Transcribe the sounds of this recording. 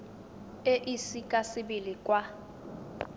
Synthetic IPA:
eʔisikʼasɪbilikʼwa

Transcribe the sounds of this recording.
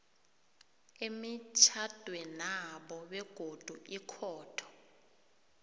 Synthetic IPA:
emit͡ʃʰad̥ʱwɛnaɓɔɓɛɡ̥ʱod̥ʱuikʰɔːtʰɔ̥

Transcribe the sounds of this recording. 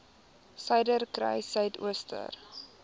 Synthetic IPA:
səjdərkrɛ̰jsœɥtṵəstʰə̰r

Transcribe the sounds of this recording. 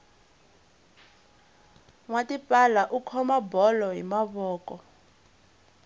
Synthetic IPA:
ŋwatipʼalaʔukʰɔmabɔlɔɦḭmaβɔːkʼɔ

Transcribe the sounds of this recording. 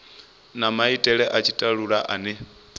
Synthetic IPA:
namaitʼɛɺɛʔat͡ʃʰitʼaɺuɺaʔanɛ

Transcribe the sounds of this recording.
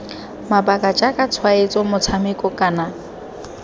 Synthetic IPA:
mabakʼad͡ʒakʼat͡sʰwaet͡sʼɔmʊt͡sʰamɪkʼɔkʼana

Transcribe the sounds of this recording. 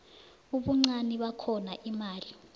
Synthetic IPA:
uɓuŋ͡ǀaniɓakʰɔnaʔimaːli

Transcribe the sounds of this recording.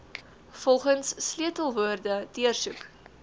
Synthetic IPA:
fɔlˠχənsːliətəlˠvuərdədiərsuk

